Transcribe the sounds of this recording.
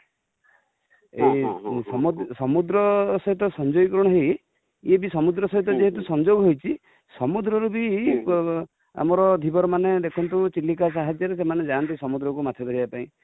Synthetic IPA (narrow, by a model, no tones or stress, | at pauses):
esɔmud̪sɔmud̪ɾɔsɔɦit̪̬ɔsɔnd͡ʒɔikɔɾɔɽɔɦej | ebisɔmud̪ɾɔsɔɦit̪ɔd͡ʒeɦet̪̬usɔnd͡ʒoɡɦojt͡ʃʰi | sɔmud̪ɾɔɾubi | a̰mɔɾɔd̪ʱibɔɾɔmaned̪ekʰɔnt̪ut͡ʃilːikas̬aɦad͡ʒjɔɾesemaned͡ʒant̪̬isɔmud̪ɾɔkumat̪ʰjɔd̪ɔɾibapaĩ